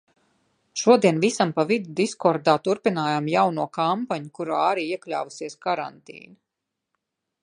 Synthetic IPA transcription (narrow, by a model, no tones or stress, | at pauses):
ʃuɔd̪iɛnvisampavid̪ud̪iskɔɾd̪aːt̪uɾpinaːjaːmjawnuɔkampaɲukuɾaaɾiːiɛklʲa̰ːvusiɛskaɾa̰nt̪ḭːnu